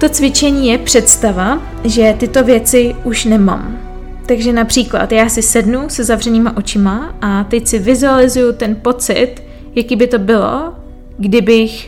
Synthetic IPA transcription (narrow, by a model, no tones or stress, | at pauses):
t̪o̞t͡svɪt͡ʃɛɲiːjɛpr̝̥ɛt̪st̪ava | ʒɛt̪ɪt̪o̞vjɛt͡sɪʔuʃnɛma̰m | t̪aɡʒɛnapr̝̥iːkla̰t̪jaːsɪsɛdnusɛzavr̝ɛniːmaʔo̞t͡ʃɪmaʔat̪ɛcsɪvɪzualɪzujut̪ɛnpo̞t͡sɪ̰t̪ | jakiːbɪt̪o̞bɪlo̞̰ | ɡdɪbɪx